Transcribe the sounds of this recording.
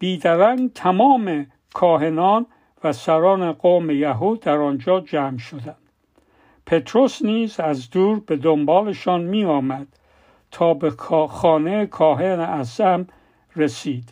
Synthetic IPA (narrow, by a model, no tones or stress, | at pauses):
b̥iːd̪æɾæŋɡt̪ʰæmɒːme̞ | kʰɒːɦe̞nɒːn | væsæɾɒːneɡoːmejæɦuːd̪æɾɒnd͡ʒɒːd͡ʒæːmʃod̪ænd̪̥ | pʰe̞t̪ʰɾo̞sniːzæzd̪uːɾbe̞d̪ombɒːleʃɒːnmiːɒːmæd̪̥ | t̪ʰɒːbekʰːxɒːnejekʰɒːɦeneʔæsæm | resiːd̪̥